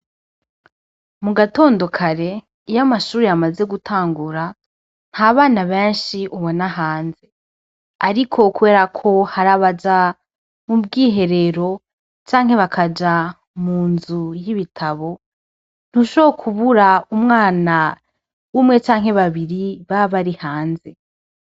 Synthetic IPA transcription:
muɡato̞ːndo̞kʰaɾe̞ | ijamaʃuːɾiamaze̞ɡutʰaːŋɡuɾa | n̥haːβaːnaβeːnʃiʔuβonaɦaːnze̞ | aɾikʰo̞kuβe̞ːɾakʰo̞haɾaβad͡ʒa | mubɡiːɦe̞ɾe̞ɾo̞ | t͡ʃaːŋ̥ɦe̞βakʰad͡ʒa | muːnzujiβitʰaβo̞ | n̥huʃoβokʰuβuɾaumŋaːna | wumŋe̞t͡ʃaːŋ̥he̞βaβiɾiβaβaɾihaːnze̞

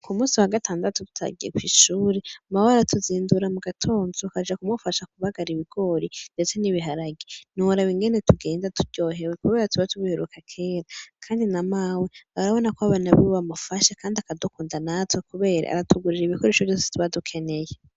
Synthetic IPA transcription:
kumuːsiwaɡatʰaːndatutu̥tʰa̰ɡḭḛkwiːʃuːɾeamawaaɾatuziːnduɾamuɡatʰoːnzokad͡ʒakumufaʃakuβaɡaɾiβiɡ̥o̞ːɾinde̞t͡se̞niβiɦaɾaɡinuwaɾawiŋɡe̞ne̞tʰuɡe̞ːndatuɾɟ̥o̞ːɦe̞wekuβe̞ːɾatuβatuβuheɾukʰakʰe̞ːɾakʰaːndinamaweβaɾaβo̞nakoaβanaβiβamufaʃakʰaːndiakadukuːndanatwekuβe̞ːɾa̰a̰ɾatuɡuɾiɾiβikoɾeʃovɟoːse̥tʰuβadukʰe̞ne̞je

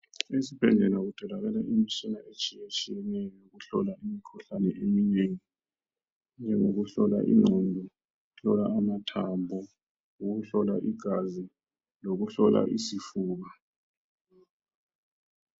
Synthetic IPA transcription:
esipʰɛndʱɛnak̬ud̥ʰʱɔlaɣ̬ɛlaʔimisinaʔet͡ʃʼijet͡ʃʼijɛnɛjɔk̬uɬɔ̰laʔimikʰuɬanɛʔemineːŋi | nd͡ʒʱɛŋok̬uɬɔla̰ʔḭnɔndʱɔ | uɬɔlaːmatʰambʱɔ | uk̬uɬɔlaʔiɡ̥ʱazi | lok̬uɬɔla̰ʔisifuːɣ̬a

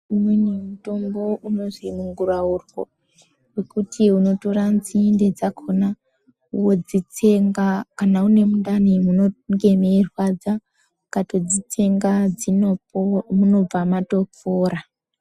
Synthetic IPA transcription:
umwenemuto̞mbo̞ʔuno̞ʐimuŋɡuraurwo̰ | wekutʰiuno̞to̞ɾanzinded͡zakʰona | uwo̞d͡zit͡seŋɡakanaune̞mundanimunoŋɡe̞meːrwad͡za | kato̞d͡zit͡se̞ŋɡad͡zinomuno̞b͡vamato̞p͡foːɾa

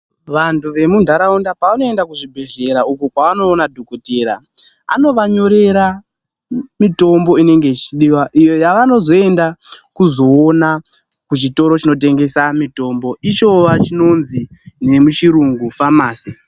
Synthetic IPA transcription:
ʋantʰuʋe̞mundʱaɾaundapaʋano̞e̞ndakuʐibʱe̞ʐe̞ɾaukukwaano̞ːnadʱokuteɾa̰ | a̰no̞ʋaɲo̞ɾe̞ɾa | mito̞mbo̞ine̞ŋɡe̞it͡ʃiɗiwaʔijojaʋano̞zo̞e̞ndakuzo̞ːna | kut͡ʃito̞ɾo̞t͡ʃino̞t̬e̞ŋɡe̞samito̞mbo̞it͡ʃo̞ʋat͡ʃino̞nzine̞mut͡ʃiɾuŋɡufamaːsi̥

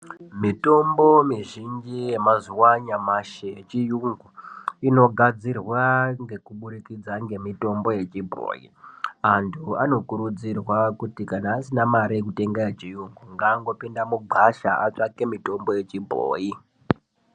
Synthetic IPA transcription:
mito̞mbo̞miʒind͡ʒije̞mazuwaɲamaʃejet͡ʃijuŋɡuino̞ɡʱad͡zirwaŋɡe̞kuɓuɾikid͡zaŋɡe̞mito̞mbo̞je̞t͡ʃibʱo̰ːjḭantʰuano̞kuɾud͡zirwakutikanaːsinamaɾiek̬ute̞ŋɡajet͡ʃijuŋɡuŋɡaːŋɡo̞pindamuɡ͡ǃʱaʃa̰ʔat͡ʂake̞mito̞mbo̞je̞t͡ʃibʱo̰ːji

